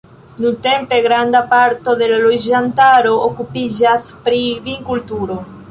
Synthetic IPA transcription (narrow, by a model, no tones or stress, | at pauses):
nut̪empeɣɾand̪apaɾt̪oðelalojʒant̪aɾookupiʒaspɾiβiŋkult̪uɾo